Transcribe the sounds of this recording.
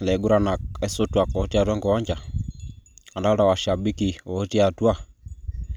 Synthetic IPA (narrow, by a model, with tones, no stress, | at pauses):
lɛ˨ɡu˦ɾa˨na˨kɛ˦so˦twa˨kɔ˨ɔ˦ti˦a˨twa˦ŋɡɔ˨ɔ˦ɲd͡ʒa˨ | a˨nda˦ɾa˨wa˨ʃa˨bi˦ki˨ɔ˨ɔ˦ti˦a˨twa˦˨